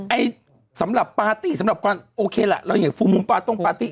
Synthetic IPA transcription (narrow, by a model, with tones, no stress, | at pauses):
ʔa˧j | sa˨˦mla˨˩pːaː˧t̪iː˧˩sa˨˦mla˨˩p̚kwaː˧nʔoː˧kʰeː˧la̰˨˩lɔ˧˩˦ŋaː˨˩˦fu˧˩mu˧npaː˧t̪o˧˥˩ŋpaː˧t̪i˧˩